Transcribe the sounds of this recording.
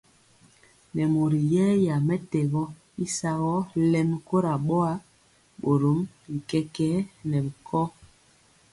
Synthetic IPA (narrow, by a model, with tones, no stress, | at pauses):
nɛ˨mo˨ɾi˨jɛː˦ja˨mɛ˦tɛ˨ɣɔ˦ | i˦sa˦ɣɔ˦lɛ˦mko˦ɾa˨ɓɔ˦a˦ | ɓo˨ɾo˨˦m | bi˨kɛ˦kɛ˦nɛ˨bi˨kʰɔ˦